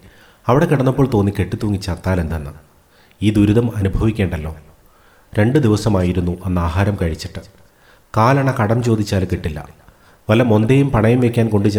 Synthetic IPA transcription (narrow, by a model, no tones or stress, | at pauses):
ɐʋiɽe̞kiɽɐnːɐpːo̞ːɭt̪o̞ːnːikeʈːit̪ːuːŋːit͡ɕːɐrt̪ːaːle̞nd̪enːɨ | iːd̪uɾuðɐmɐnubʱɐʋikʲːe̞ːɳɖɐlːo̞ː | ɾe̞ɳɖɨd̪iʋɐsɐmaːjiɾunːuʔe̞nːɐaːɦaːɾɐmkɐɻit͡ɕːi̥ʈːɨ | kaːlaːɳɐkɐɽɐmt͡ɕo̞ːd̪it͡ɕːaːlkiʈːilːɐ̰ | ʋɐlɐmo̞nd̪ejumpɐɳɐjumʋekʲːaːnko̞ɳɖɨt͡ɕ